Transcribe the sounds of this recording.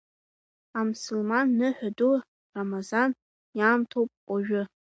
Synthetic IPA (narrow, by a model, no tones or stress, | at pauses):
amusʊlmanːɨħʷᶣadu | ramazan | jaːmtʰowpʼʷaʒᶣʊ